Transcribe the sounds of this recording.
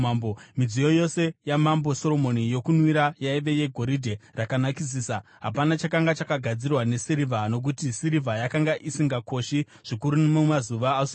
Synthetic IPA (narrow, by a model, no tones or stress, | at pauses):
ambomid͡zijo̞jo̞se̞jamambo̞so̞ɾo̞mo̞nijo̞kunwiɾajaiʋe̞je̞ɡʱo̞ɾidʱe̞rakanakis̬iːsa | ɦa̰panat͡ʃakaŋɡat͡ʃakaɡʱad͡zirwane̞siɾivano̞k̬utisiɾivʱajakaŋɡaʔisiŋɡako̞ʃi | ʐ̥ikuɾunomumazuʋaːso